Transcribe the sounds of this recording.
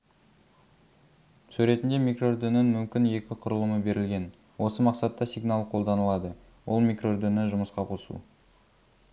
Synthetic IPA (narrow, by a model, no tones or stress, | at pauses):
sʉɾe̞t̪ɪnd̪e̞mijkro̞d̪ʏnɪnmʏmkʲɪnje̞kʲɪqʰʊɾəlˠəməbe̞ɾɪlɡʲe̞n | wo̞səmɑqsɑt̪ːɑsiɡnalˠqʰo̞lˠd̪ɑnəlˠɑd̪ə | wo̞̰lˠmikro̞d̪ʏnɪʒʊməsqɑqʰo̞sṵ